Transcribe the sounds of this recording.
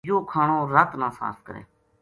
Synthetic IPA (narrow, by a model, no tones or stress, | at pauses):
joːkʰaːɳoːɾət̪nãːsã̰ːskəɾḛː